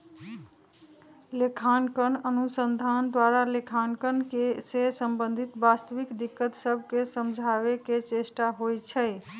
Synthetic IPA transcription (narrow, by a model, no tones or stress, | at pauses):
lekʰankənənusənd̪ʱand̪waɾalekʰankənkesesəmbənd̪ʱit̪bast̪əʋikd̪ikːət̪səbʱkesəmd͡ʒʱaβeket͡ʃesʈaɦojt͡ʃʰə